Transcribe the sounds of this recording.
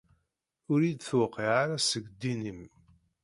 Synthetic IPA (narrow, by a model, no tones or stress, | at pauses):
ʊɾid̪θwəqːiʕaɾæsəɡd̪ːinəm